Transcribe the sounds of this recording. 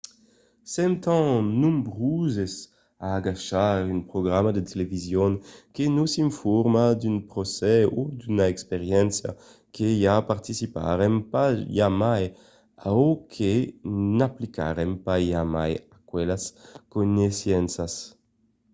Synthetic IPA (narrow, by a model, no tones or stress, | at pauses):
sɛmt̪ɑ̃nũmbʁuzes | aːɡaʃaʁynpɾoɡʁamad̪et̪elevizjoŋkenusiɱfɔɾmad̪ynpʁosɛod̪ynaɛkspeʁjɛnsja̰ | kʰejapaʁt̪isipa̰ʁɛmpajamaj | aokʰenaplika̰ʁɛmpaamajakwɛlaskonesjɛnsas